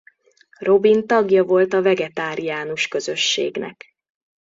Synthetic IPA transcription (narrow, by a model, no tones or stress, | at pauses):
ro̞bint̪ɒɡjɒvo̞lt̪ɒvɛɡɛt̪aːɾijaːnuʃkø̞zø̞ʃːḛːɡnɛ̰k